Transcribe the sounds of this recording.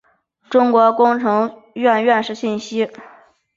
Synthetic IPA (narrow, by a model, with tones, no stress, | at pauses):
ʈ͡ʂʊ˥ŋkwɔ˧˥kʊ˥ŋʈ͡ʂʰɤ˧˥ŋ | ɥɛ˥˧nɥɛ˥˧nʂɻ̩˥˩ɕi˥˩nɕi˥